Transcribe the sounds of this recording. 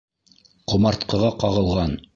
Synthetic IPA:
qŏmɑɾt̪qɤ̆ʁɑqɑʁɤ̆lˠʁɑn

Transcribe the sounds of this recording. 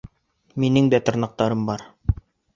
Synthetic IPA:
minɘŋd̪æt̪ŏɾnɑq̚t̪ɑɾɤmbɑɾ

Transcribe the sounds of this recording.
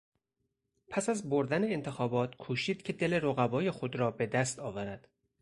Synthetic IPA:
pʰæsæzboɾd̪æneːnt̪ʰe̞xɒːbɒːt̪kʰuːʃiːd̪̥cʰe̞d̪e̞leɾoɣæbɒːje̞xo̞d̪ɾɒːbe̞d̪æst̪ɒːvæɾæd̪̥

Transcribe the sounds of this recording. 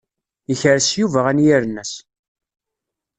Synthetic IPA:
əçəɾsjuvæʁænjiɾənæs

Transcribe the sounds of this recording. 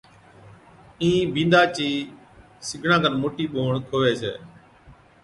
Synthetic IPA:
ĩːbĩːnd̪aːt͡ʃiː | sɪɡʱɳãːɡənmoːʈiːɓoːɳkʰoːʋeːsḛː

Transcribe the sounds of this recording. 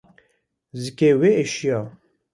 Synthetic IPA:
zikeweeʃijɑ

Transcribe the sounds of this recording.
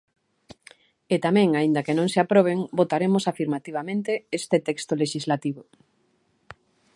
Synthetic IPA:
et̪amɛ̃ŋaĩnd̪ɐakenõŋseapɾoβ̞eŋbot̪aɾemʊsafiɾmat̪iβamẽnt̪eest̪et̪ɛkst̪oleʃizlat̪iβo

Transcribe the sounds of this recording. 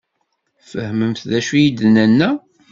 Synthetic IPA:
fəhməmθðæʃujid̪nænːæ

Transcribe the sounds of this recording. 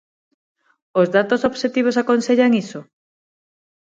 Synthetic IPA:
ozðat̪osoβʃet̪iβ̞osakonseʎaŋiso

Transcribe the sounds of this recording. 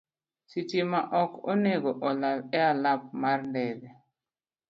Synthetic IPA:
sitimaʔɔkɔ̰neɡɔʔɔlabɛalap̚maɾndɛdɛ

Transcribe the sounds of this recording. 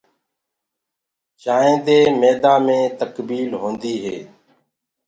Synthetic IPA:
ʃaːẽːd̪eːmeːd̪aːmẽːt̪əkbiːlɦõːnd̪iːɦḛː

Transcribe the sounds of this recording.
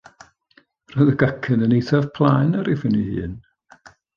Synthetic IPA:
rɔjðəɡakʰənənejθav̥pʰlˠanaɾɪvənihɨ̰ːn

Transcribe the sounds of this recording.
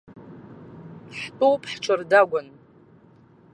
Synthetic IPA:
ħtʼowpʼʰħʈ͡ʂʷʰɨrdaɡʷʊn

